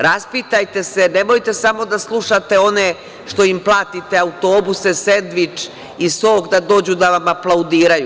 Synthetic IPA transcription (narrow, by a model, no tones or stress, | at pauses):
ɾaspit̪ajt̪e̞se̞nemojt̪e̞samo̞d̪aslˠuʃat̪e̞o̞ne | ʃt̪o̞implˠaːt̪it̪e̞aut̪o̞ːbusesend̪ʋit͡ʃ | isoːkd̪ad̪o̞ːd͡ʑud̪aʋamaplˠaud̪iːɾaju